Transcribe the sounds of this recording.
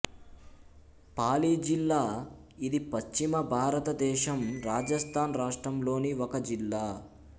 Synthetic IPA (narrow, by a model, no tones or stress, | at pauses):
paːliːd͡ʒilːaːid̪ipɐst͡ʃimɐbʱaːɾɐt̪ɐd̪ɛːʃɐmɾaːd͡ʒɐst̪ʰaːnɾaːʂʈɾɐmlo̞ːniɔkɐd͡ʒilːaː